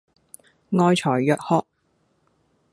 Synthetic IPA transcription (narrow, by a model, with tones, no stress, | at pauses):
ŋɔː˧jt͡ʃʰɔː˨˩jːœː˨k̚hɔː˧k̚